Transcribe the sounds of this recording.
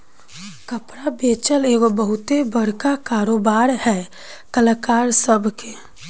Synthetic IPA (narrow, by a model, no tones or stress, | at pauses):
kəpɾabeːt͡ʃəleːɡobəɦʊt̪ebəɽkakaːɾoːbaːɾhɛː | kələkaːɾsəbʱke